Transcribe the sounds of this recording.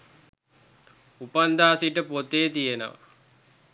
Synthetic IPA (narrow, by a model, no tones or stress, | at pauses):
upand̪aːsiʈəpot̪ːeːt̪ijenə̰ʋa̰